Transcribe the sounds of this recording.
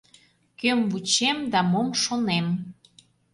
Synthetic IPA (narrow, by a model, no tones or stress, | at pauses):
kømvut͡ɕemd̪ɑmomʃonem